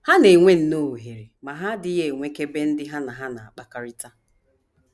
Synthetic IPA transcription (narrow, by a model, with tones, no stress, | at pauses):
ha˦ne˨ŋʷe˦n̩˨no˦˨ɦe˨ɾe˨ma˨ɦa˦dɪ˦ɦe˨ŋʷe˦ke˦be˦n̩˦dɪ˦ɦa˦na˨ɦa˦na˨a˨k͡pa˦ka˦ɾɪ˦ta˦